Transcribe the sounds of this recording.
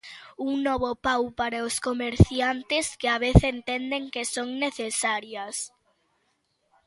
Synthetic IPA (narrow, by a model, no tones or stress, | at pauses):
uŋnɔβopawpaɾaoskomeɾθjant̪ɪskɪaβ̞eθent̪end̪eŋkesoŋneθesaɾjɐs